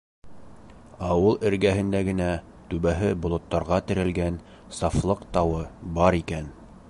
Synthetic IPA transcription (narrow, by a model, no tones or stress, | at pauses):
ɑwɤlˠɘ̆ɾɡæɦɘ̆nd̪æɡɘ̆næ | t̪ʉβæɦɘbŏlˠŏt̪ːɑɾʁɑt̪ɘ̆ɾɘ̆lɡæn | sɑflˠɤqt̪ɑwɤbɑɾikæn